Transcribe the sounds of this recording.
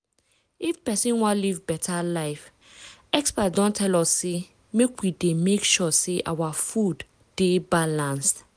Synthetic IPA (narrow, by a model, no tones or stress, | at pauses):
ifpɛsĩnwãlivbɛtʰalaɪf | ɛkspatdɔ̃ntʰɛlɔsːe | mekwidemekʃɔseʔawafud | d̥ebalãnst